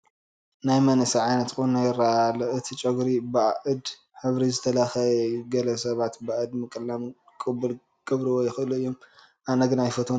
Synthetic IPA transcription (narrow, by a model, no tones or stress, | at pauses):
najmɐnɨsɐʕajnɐt̪kʼunajɪɾalɐʔɨt̪ʰit͡ʃʼɐɡɾibɨaʔɨd̪ | ħɨβɾizɨt̪ʰɐlaxɐjɡɐlɐsɐβat̪baʔɨd̪mɨkʼɨlːam | kʼɨbːɨl | ɡ̥ɨβɾiwɔjɪxɨluɨjːom | ʔanɐɡɨnajfɐt̪ʰo